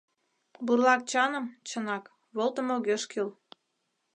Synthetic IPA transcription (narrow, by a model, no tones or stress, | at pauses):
burlɑk̚t͡ɕɑnə̆mt͡ɕənɑk | βolt̪ə̆moɣøʃkyl